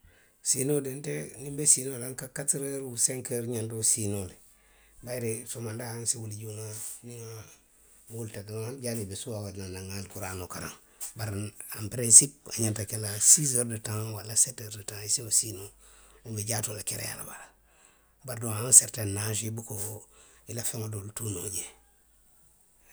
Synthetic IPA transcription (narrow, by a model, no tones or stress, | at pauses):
sinodentenibesinolaŋkakatɾeɾuseŋkeɾɲantosinole | baɾesomandahansiwuliɟuŋaniŋa | wultaɡaanɟalibesuawananaŋalkuɾanokaɾa̰ŋ | baɾnampɾensip̚aɲantakelasis̬əɾdətãŋwalasetəɾdətãŋisiŋosinoubeɟaːtolakeɾḛja̰la̰ba̰la | baɾdoŋanseɾtannːaʃibukooilafeŋodoltunoɟe